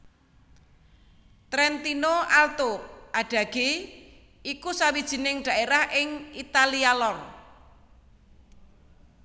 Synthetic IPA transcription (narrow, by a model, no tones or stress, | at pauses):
t̪ɾɛnt̪inoalt̪oʔaɖ̥ä̤ɡ̥e | ikusawid̥ʒ̥i̤nɪŋɖ̥ä̤ʔeɾahʔɪŋit̪alialɔr